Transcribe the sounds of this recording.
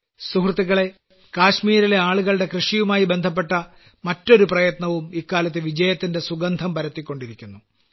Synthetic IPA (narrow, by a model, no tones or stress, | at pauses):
suhrt̪ːiɣɐɭe̞ | kaːɕmiːɾile̞aːɭuɣɐɭɽe̞krɨʂijumaːjibe̞nd̪ʱɐp̬ːe̞ʈːɐ | mɐtːo̞ɾuprɐjɐt̪nɐʋumikːaːlɐt̪ːɨʋid͡ʑɐjɐt̪ːinde̞suɡɐnd̪ʱɐmpɐɾɐt̪ːikʲːo̞ɳɖiɾikʲːunːu